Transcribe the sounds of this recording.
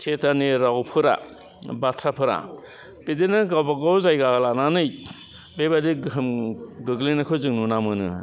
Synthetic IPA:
sʰetaniɾawpʰɯɾa̰ | batʰɾapʰɯɾa̰ | pedenɯɡawbaɡawzajɡalananɯj | bebadiɡɯmɡɯɡlinakʰɯzɯŋnunamɯnɯ̰

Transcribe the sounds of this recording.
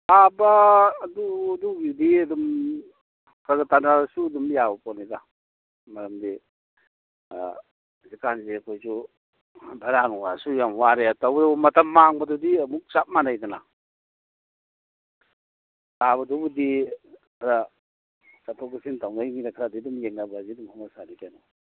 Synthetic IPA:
abaːdudubiwdiɐdum | kɾaɡatanaɾasuɐdumjabɐpɔnida | mɐɾɐmdi | zikanzeɐkʰojsu | bʱaɾaŋɔɡasujamwaɾeatawbdabumɐtʰamːaŋbɐdudiɐmuk̚t͡ʃap̚manajdana | taβɐdɔbudikʰaɾa | satʰɔkisintawnajŋinakʰɾadidumjeŋnabazidumhɔmasanikanɔ

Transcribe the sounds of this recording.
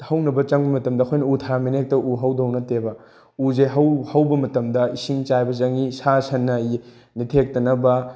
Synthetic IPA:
hɐwnɐbɐt͡ʃɐŋbɐmɐtɐmdɐɐkʰojnɐutʰaɾamenek̚tɐʔuɦɐwdownɐtebɐ | uzejɦɐwhɐwbɐmɐtɐmdɐisiŋt͡ʃajbɐt͡ʃɐŋisasɐnːɐ | nitʰek̚tɐnɐbɐ

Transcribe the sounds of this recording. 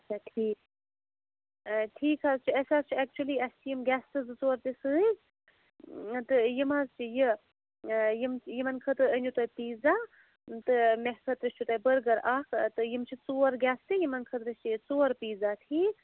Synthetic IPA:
ɐt͡ʃʰaʈʰiːk | ʈʰiːkaːzt͡ʃʰiɐsʲaːzt͡ʃʰiɛk̚t͡ʃuɐliːɐst͡ʃʰijimɡʲɛːst̪ɨzɨt͡soːɾt̪isɨːz | t̪ɨjimazt͡ʃʰijɨ | jɨmjimɐnkʰɐt̪ɨənʲut̪ɐːjpiːza | t̪ɨmeɦsɐt̪ɾɨst͡ʃʰut̪ɐːjbəɾɡɐɾʔaːkʰt̪ɨjimt͡ʃʰit͡soːɾɡʲɛːst̪ɨjimɐnkʰɐt̪ɾɨst͡ʃʰit͡soːɾpiːzaːt̪ʰiːk

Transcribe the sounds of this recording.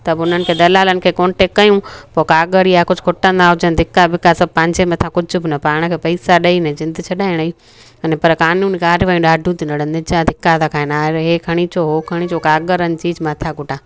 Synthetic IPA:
t̪ɐbʊn̤ənɪ̆kʰeːd̪ɐlaːlənɪ̆kʰeːkõːnʈekːɐjũpokaːɡəɾiakʊd͡ʑʱʊkʰʊʈə̃nd̪aɦʊd͡ʑənd̪ʱɪkːabʱɪkːasɐb̚pɐ̃ɦɪɲd͡ʑemẽɐt̪ʰãkʊd͡ʑʱʊ̆bɪnɐpaːɽ̃kʰeːpɐisaɗɐinɐd͡ʑɪ̃nd̪t͡ɕʰɐɗaːɪɽ̃i | ɐnepɐɾkaːnũːnɪkaːɾɪʋaːjũɗaːɖʱũt̪ʰinɐɽənnɪd͡ʑãd̪ʱɪkːat̪ʰakʰaːẽnaːɪɾɦeːkʰɐɽ̃it͡ɕoːɦokʰɐɽ̃it͡ɕokaːɡəɾənɪ̆t͡ɕiːd͡ʑmãt̪ʰaɡʊʈãː

